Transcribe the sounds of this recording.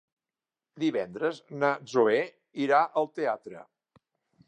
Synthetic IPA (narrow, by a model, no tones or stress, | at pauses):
d̪iβɛnd̪ɾəznəzoe | iɾaʔəlˠt̪eat̪ɾə̰